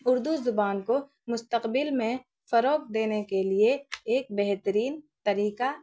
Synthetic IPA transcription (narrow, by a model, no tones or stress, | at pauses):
ʊɾd̪uzʊbaːnko | mʊst̪əqbɪlmẽ | fɐɾoːkd̪eːnekelieːk̚bɛɦt̪əɾiːnt̪ɐɾiːka